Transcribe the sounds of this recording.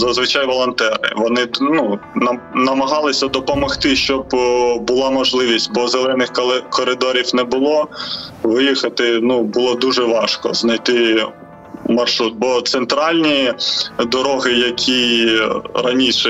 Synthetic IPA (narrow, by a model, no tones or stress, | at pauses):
zɐzʋɪt͡ʃɑjʋɔlˠɔnt̪ɛɾɪ̰ʋɔnɪnunɐnɐmɐɦɑlˠɪsʲɐd̪ɔpɔmɔxt̪ɪʃt͡ʃɔbbʊlˠɑmɔʒlˠɪʋʲisʲtʲbɔzelˠɛnɪxklˠɪkɔɾɪd̪ɔɾʲiwnɛbʊlˠɔʋɪjixɐt̪ɪnubʊlˠɔd̪uʒɛʋɑʃkɔ̰znɐjt̪ɪ | mɐrʃɾut̪̚bɔt̪sent̪ɾɑlʲnʲi | d̪ɔɾɔɦɪjɐkʲʰi | ɾɐnʲiʃɛ